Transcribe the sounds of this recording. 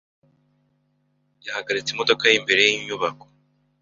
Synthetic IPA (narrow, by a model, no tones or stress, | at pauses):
jahaɡaɾit͡simo̞do̞kajimbe̞ɾe̞jiɲuβako̥